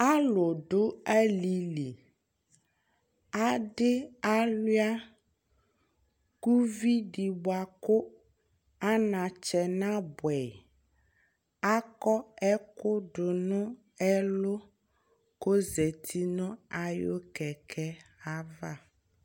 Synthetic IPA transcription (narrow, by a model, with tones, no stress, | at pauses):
a˦lo˨ɖʊ˦a˦li˨li˨ | a˦ɖɪ˦a˦lwi˦a˦ | ku˦vi˦ɖi˨bo˨a˨kʊ˦ | a˦nã˨t͡ʃɛ˨nã˦bwɛ˨ | a˦kɔ˦ɛ˦kʊ˦ɖʊ˨nʊ̃˦ | ɛ˦lo˦ | ko˦zɛ˨t̪ʰi˦nʊ̃˦a˨jo̰˦kɛ˨kʰɛ˦a˦va˦˨